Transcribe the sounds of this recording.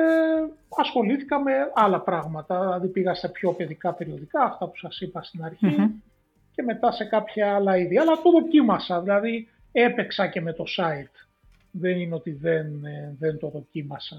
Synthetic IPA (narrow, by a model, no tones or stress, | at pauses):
eɐsxo̞liθi̥kɐme̞ɐlɐpɾɐɣmɐt̪ɐðilɐðipiɣɐst̪ɐpço̞pe̞ðikɐpe̞ɾio̞ðikɐːft̪ɐpu̥sɐsipɐst̪inɐɾçi | ce̞me̞t̪ɐse̞kɐpçɐɐlɐiðiɐlɐt̪o̞ðo̞cimɐsɐðilɐði | e̞pe̞ksɐceme̞t̪o̞sɐit̪ | ðe̞nineo̞t̪iðenðent̪o̞ðo̞cimɐsɐ